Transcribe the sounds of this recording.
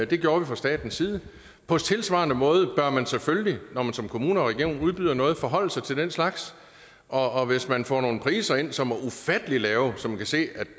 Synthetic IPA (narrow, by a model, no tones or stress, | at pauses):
d̥e̝ɡ̥joːɐʋifʁɑ̈sd̥ɛ̰ːd̥n̩siːð̞ˠə | pʰɒ̽t͡sʰe̝lsʋɑ̰̈ːnəmɔ̽ːð̞ˠəb̥ɶɐmænseføllinɒmænsɒ̽mkʰo̝muːnəɒʁɛɡ̥io̝̰ːnuð̞ˠb̥yðˠɐnɔ̽ːð̞̩ˠfɒ̽ɦɒ̽l̰̩sɑ̈ɪt͡sʰe̝ld̥enslɑ̈ɡ̥s | ʔɒ̽ːʋe̝smænfɒ̰ːno̝ːn̩pʰʁḭːsɐe̝n̰sɒ̽mæufæd̥əlilɛːʊsɒmænkʰæse̝̰ːæd̥